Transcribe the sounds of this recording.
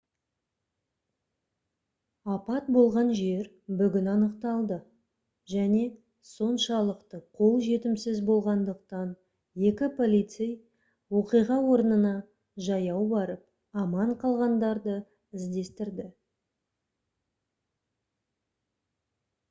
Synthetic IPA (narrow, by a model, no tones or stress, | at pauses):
ɑpɑt̪̚bo̞lˠʁɑnʒe̞ɾ | bʏɡʲɪnɑnəqt̪ɑlˠd̪ə | ʒæne̞ | so̞nʃɑlˠəqt̪əqʰo̞lˠʒe̞t̪ɪmsɪzbo̞lˠʁɑnd̪əq̚t̪ɑn | je̞kʲɪpʰo̞lʲijt̪sej | woqijʁɑwo̞ɾənənɑ | ʒɑjɑwbɑɾəp̚ | ɑmɑɴqʰɑlˠʁɑnd̪ɑɾd̪ə | ɪzd̪e̞st̪ɪɾd̪ɪ